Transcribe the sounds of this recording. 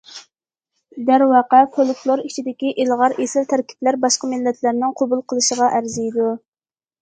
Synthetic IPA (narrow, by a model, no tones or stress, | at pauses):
d̪æɾwɑqɛfolˠkflˠoɾit͡ʃʰid̪ɪkʲiʔelʁɑɾesɪlt̪ʰæɾkʲʰi̥plæɾbɑʃqəmɪlːɛt̪ʰlæɾnɪŋqʰobulˠqʰəlˠɨʃəʁɑʔæɾzijd̪u